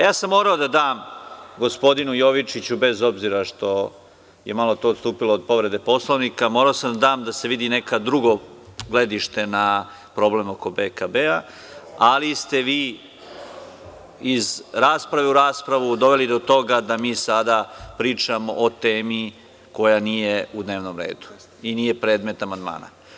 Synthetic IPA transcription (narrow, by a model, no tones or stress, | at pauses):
jaːsamːo̞ːɾaod̪ad̪aːmɡo̞spo̞d̪inujo̞ʋit͡ʃit͡ɕube̞zo̞bziɾaʂt̪o̞ | jemalo̞t̪oːt̪st̪uːpiloːd̪̚po̞ʋɾe̞d̪e̞po̞slˠoʋnikamoːɾaosamd̪ad̪aːmd̪ase̞ʋid̪inekad̪ɾuɡo̞ɡle̞d̪iʃt̪ena | pɾo̞ble̞moko̞bekabea | alist̪e̞ʋiː | izɾaːspɾaʋe̞uɾaːspɾaʋud̪o̞ʋe̞lid̪o̞t̪o̞ɡad̪amiːsad̪apɾiːt͡ʃamo̰ʔot̪eːmi | ko̞janijeud̪ne̞ːʋno̞mɾe̞̰ːd̪u̥ | iniːje̞pɾe̞ːd̪me̞t̪amand̪ma̰ːna̰